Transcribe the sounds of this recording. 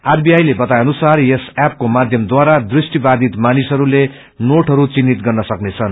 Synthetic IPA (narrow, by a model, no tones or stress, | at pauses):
arbiajlebʌt̪ajʌnusarjesap̚komad̪ʱjʌmd̪waɾad̪risʈibad̪ʱit̪manisɦʌɾule | noʈɦʌɾut͡sinːit̪̚ɡʌrnʌsʌknet͡sʰʌn